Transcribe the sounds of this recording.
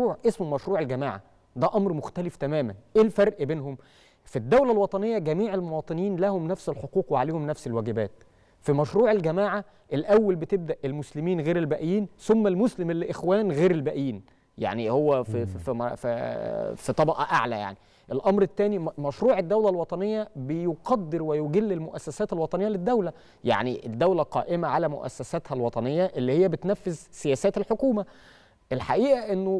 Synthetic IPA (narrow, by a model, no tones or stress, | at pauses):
uːʕʔesmomæʃɾuːʕelɡæmaːʕa̰ | d̪æʔɑmɾmoxt̪æleft̪æmæːmænʔeːlfɑɾˤʔbeːnhom | fid̪ːæwlælwɑt̪ˤɑnejːɑɡæmiːʕelmowɑːt̪ˤɨniːnlæhomnæfselħoquːqweʕaleːhomnæfselwæːɡɪbæːt̪̚ | fimæʃɾuːʕelɡæmaːʕa | ʔelʔæwːælbet̪eb̚d̪æʔelmʊslɪmiːnɣeːɾelbæʔjiːnsomːælmʊslemelːiʔexwæːnɣeːɾelbæʔiːn | ja̰ʕnihowːæfff | fit̪ˤɑbɑʔɑʔaʕlæ̰ja̰ʕni | ʔelʔɑmɾet̪ːæːnimæʃɾuːʕed̪ːæwlælwɑt̪ˤɑnejːæbejoqɑd̪ːeɾwejoɡelːelmoʔæsːæsæːt̪elwɑt̪ˤɑnejːæled̪ːæwlæ | ja̰ʕniʔed̪ːæwlæqɑ̰ːʔemæʕalæmo̰ʔæ̰sːæsæt̪hælwɑt̪ˤɑnejːæʔelːihejːæbet̪næfːezsejæːsæːt̪elħokuːmæ | ʔelħaʔiːʔæʔenːo